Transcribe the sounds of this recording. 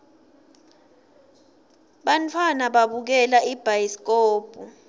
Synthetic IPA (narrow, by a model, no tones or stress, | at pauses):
ɓantʰwanaɓaɓuk̬ɛlaib̥ʱajisk̬ʼoːb̥ʱu